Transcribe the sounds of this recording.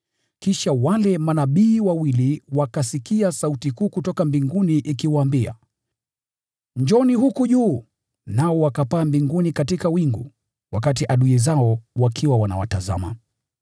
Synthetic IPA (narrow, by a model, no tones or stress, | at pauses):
kiʃawalɛmanaɓiːwawiliwakasikiasautikuːkutɔkambiŋɡuniʔikiwaːmbia̰ | ɲd͡ʒɔniɦukuʄuː | naɔwakapaːmbiŋɡunikatikawiŋɡu | wak̬atiʔaɗuɛzaɔwakʰiwawana̰wa̰taza̰ma̰